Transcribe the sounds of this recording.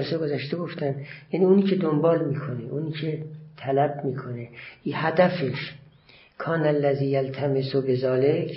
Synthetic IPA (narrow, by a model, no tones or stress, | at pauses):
ɾseɡozæʃt̪eɡoft̪ænjæniːuniːcʰed̪ombɒːlmiːkʰoneʔuniːcʰet̪ʰælæbmiːkʰoneihæd̪æfeʃ | kʰɒːnalːæziːjalt̪ʰæmesobezɒːlekʰ